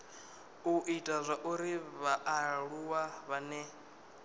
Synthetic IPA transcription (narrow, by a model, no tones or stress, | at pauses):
uʔitʼazʷaʔuɾiβaʔːɺuwaβanɛ